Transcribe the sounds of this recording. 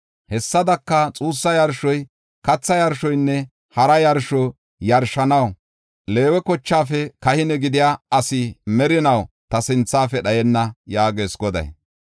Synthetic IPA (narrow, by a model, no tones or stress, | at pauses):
hɛsːɐd̪ɐkːɐt͡sʼuːsːɐjɐɾʃɔj | kɐt͡sːɐjɐɾʃɔjnːɛ | hɐɾɐjɐɾʃɔ | jɐɾʃɐnɐw | le̞ːwɛkɔt͡ʃːaːfɛkɐhɪnɛɡɪd̪ɪjaːɐsɪmɛɾɪnɐw | t̪ɐsɪnt͡sːaːfɛɗɐjɛnːɐjaːɡe̞ːsɡɔd̪ɐ̰j